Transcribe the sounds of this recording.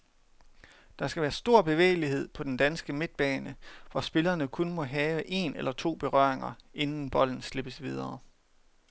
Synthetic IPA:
d̥ɑ̈sɡ̥æʋæːɐsd̥o̝ɐ̰b̥e̝ʋḛːɪliɦe̝ð̰ˠpʰɒ̽d̥end̥ænsɡ̥əme̝d̥̚b̥ɛːnəʋɒsb̥e̝lɐnəkʰɔ̽nmɔ̽ɦɛːʊəʔe̝nelɐt͡sʰo̝̰ːb̥e̝ʁɶ̰ɐ̰eŋɐʔe̝nn̩b̥ɒ̽l̰n̩sle̝b̥əsʋið̞ˠɐː

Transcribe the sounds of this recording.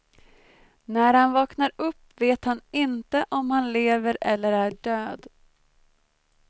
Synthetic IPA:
næɾhanvɑːknaɾɵpːveːt̪hanɪnt̪əʔɔmhanleːvəɾɛlːəɾæɖøːd̪

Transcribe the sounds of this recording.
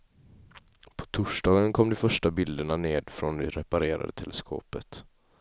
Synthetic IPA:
pʰɔ̥t̪ʰʊʂɖɑːɡənkʰɔmːd̪ɛfœʂʈabɪld̪əɳaneːd̪fɾɔnd̪ɛɾɛpaɾeːɾa̰d̪ət̪ʰɛlʔɛskʰo̰ːpət̪

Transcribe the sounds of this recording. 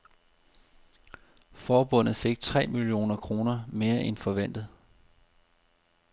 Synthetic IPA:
fɒːb̥ɔ̽n̰ð̩ˠfe̝ɡ̥̚t͡sʰʁɛ̰ːmilio̝̰ːnɐkʰʁo̝ːnɐme̝ːɐʔenfɒ̽ʋen̰d̥ð̩ˠ

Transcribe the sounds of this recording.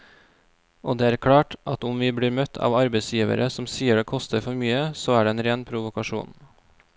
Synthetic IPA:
ʔoːd̪eːæːɾkʰɽɑːʈʔɑt̪ʊmʋiːbɽiːɾmœt̪ʰɑ̰ːʋɑɾbəɪsjiːʋə̰ɾəsɔmsiːəɖeːkʰɔst̪əɾfɔɾmyːəsoːæːɖeːeːnɾeːnpʰɾʊʋʊkɑʃṵːn

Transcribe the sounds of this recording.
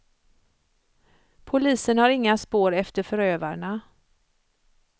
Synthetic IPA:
pʰʊliːsənhaɾɪŋːaspoːɾɛft̪əɾfœɾøːvaɳa

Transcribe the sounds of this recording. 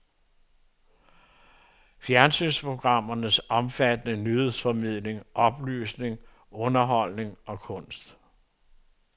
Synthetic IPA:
fjæɐnsynspʰʁo̝ɡ̥ʁɑ̈m̰ɐnəsɒ̽mfæd̥ənənyhe̝ð̰ˠsfɒ̽mið̞̰ˠle̝ŋʔɒ̽b̥ly̰ːsne̝ŋ | ɔ̽nɐɦɒ̽l̰ne̝ŋɒ̽kʰɔ̽n̰sd̥

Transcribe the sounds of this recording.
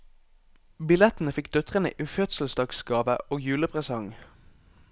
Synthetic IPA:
bɪlɛt̪n̩əfɪkd̪œt̪ʁənə̰ʔiːfœt̪sl̩st̪ɑksɡɑːʋə̰oːɡjʉːləpʰʁɛsɑŋ

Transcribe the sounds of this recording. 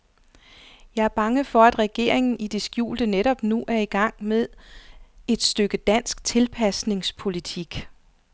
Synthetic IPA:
jɑ̈ɪæɐb̥ɑ̈ŋəfɒ̽æd̥ʁɛɡ̥e̝̰ɐ̰eŋn̩id̥e̝sɡ̥jṵːld̥əneɾɒ̽b̥nuʔæɐiɡ̥ɑ̈ŋ̰meðˠ | e̝d̥sd̥øɡ̥əd̥æn̰sɡ̥t͡sʰe̝lpʰæsne̝ŋspʰo̝lit͡sʰiɡ̥

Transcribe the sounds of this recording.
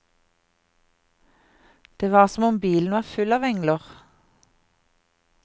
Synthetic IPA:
d̪̥eːʋɑːʁsɔmɔmbiːln̩ʋɑːʁfʉlɑːʋɛŋləʁ

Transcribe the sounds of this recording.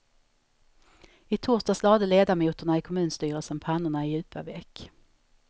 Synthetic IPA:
ɪt̪ʰuːʂt̪aslɑːd̪əleːd̪aɾmuːt̪əɳaɪkʰɔmʉ̟ːnst̪yːɾəlsənpʰanːʊɳaɪjʉ̟ːpʰa̰vɛk

